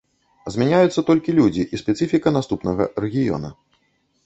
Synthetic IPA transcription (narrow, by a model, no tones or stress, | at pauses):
zʲmʲanʲajut̪sːɐt̪ɔlʲkʲilʲud͡zʲiʔispʲɛt̪sɨfʲikɐnast̪upnɐɣɐ̰rɛɣʲijɔ̰nɐ̰